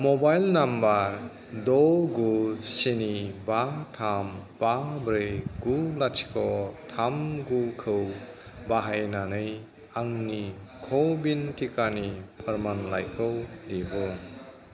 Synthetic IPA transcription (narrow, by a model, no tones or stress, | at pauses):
mɔbajlnambaɾ | dɔɡusenibatʰambabɾɯjɡulat͡ʃʰi̥kʰɔtʰamɡukʰɯw | baɦajnanɯj | aŋnikʰɔwbintʰikanipʰɯɾmanlajkʰɯwdebɔ